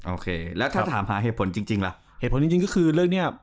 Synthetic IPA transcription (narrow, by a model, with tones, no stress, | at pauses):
ʔoː˧˩kʰeː˧lɛː˦˥wt̪ʰaː˥˩t̪ʰaː˩˦mɦaː˩˦ɦeː˨˩t̪pʰo˩˦nt͡ɕi˧ŋt͡ɕi˧ŋlɛ˦ʔ | heː˨˩t̪̚ʰo˩˦t͡ɕi˧t͡ɕi˧ŋkɔː˥˩kʰɯː˧ɾɯː˥˩k̚ni˥˩ɐ